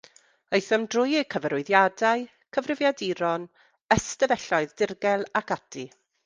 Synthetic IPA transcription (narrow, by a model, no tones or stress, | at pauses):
ojθəmdrʊjkʰəvɛɾʊɨðjadaɨ | kʰəvrɪvjadiɾɔn | əstəvɛɬɔɨðdɪrɡɛlˠakʰadʰi